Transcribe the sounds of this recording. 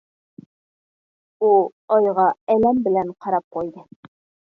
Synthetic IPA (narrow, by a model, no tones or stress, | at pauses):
ulˠɒjʁɑælæmbɘ̆læɴqɑɾɑp̚qujd̪ɤ